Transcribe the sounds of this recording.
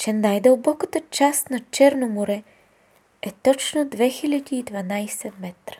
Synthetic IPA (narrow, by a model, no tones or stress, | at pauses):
t͡ʃɛnajd̪əlˠbɔkət̪ət͡ʃast̪nɐt͡ʃɛɾnomoɾɛ | ɛt̪ɔt͡ʃnod̪vɛxilʲad̪ʲiːd̪vɐnajsɛmɛt̪ɾə̥